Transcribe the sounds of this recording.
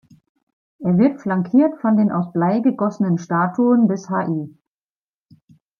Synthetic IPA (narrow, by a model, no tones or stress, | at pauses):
ʔeːɐvɪɐtflaŋkʰiːɐtfɔndeːnʔa̰ʊsb̥laɪɡəɡɔsənənʃtaːtʰuənbɪshaːʔiː